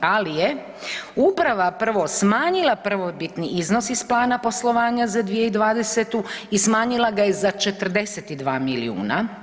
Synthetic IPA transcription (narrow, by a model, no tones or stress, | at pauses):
alije | upɾaʋapr̩ʋosmaːɲilˠapr̩ʋobit̪niʔizno̞sisplˠaːnapo̞slˠo̞ʋaːɲazad̪ʋijeid̪ʋaːd̪e̞set̪uismaːɲilˠaɡajezat͡ʃe̞t̪r̩d̪e̞set̪id̪ʋaːmilḭṵːna